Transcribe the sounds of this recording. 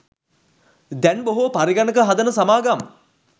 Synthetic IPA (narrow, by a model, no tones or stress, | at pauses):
d̪ɛnboɦupaɾiɡanəkəɦad̪ənəsamaːɡam